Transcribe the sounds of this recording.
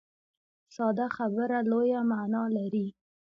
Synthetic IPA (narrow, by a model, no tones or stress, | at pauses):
sɑd̪axabəɾalojamanɑlaɾi